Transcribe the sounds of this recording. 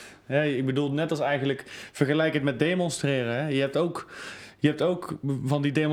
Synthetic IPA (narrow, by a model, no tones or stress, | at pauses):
ɦɛɪɡ̚bədulˠnɛtɑlˠsɛjχənləkv̥əɹχəlɛjkɦətmɛt̚dejmɔnstrɪːrəɦɛjəɦɛp̚towkjəɦɛp̚towkvɑndidejm